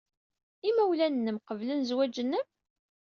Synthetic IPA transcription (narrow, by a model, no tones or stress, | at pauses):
imæwlænːəmqəvlənzwæd͡ʒənːəm